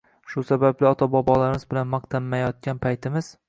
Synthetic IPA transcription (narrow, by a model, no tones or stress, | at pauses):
ʃʊsabablɪɒt̪ʰabɒbɒlaɾɪmɪzbɪlanmɑqt̪ʰamːajɒt̪̚ɡʲanpʰajt̪ʰɪmɪz̥